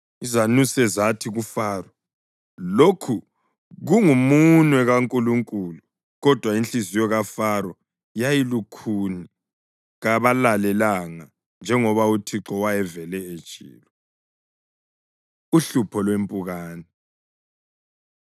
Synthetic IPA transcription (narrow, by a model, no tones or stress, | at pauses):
izanusɛzatʰiɣufaːrɔ | lokʰu | ɣuŋumunwɛɣaŋkʼuluŋkʼuːlu | ɣɔd̥ʱwainɬizijɔɣafaɾɔ | jajilukʰuni | ɣaβalalɛlaŋa | nd͡ʒʱɛŋɔβautʰiǁɔwajɛvɛlɛe̥t͡ʃʼḭːlɔ | uɬupʰɔlwempʼuɣaːnɛ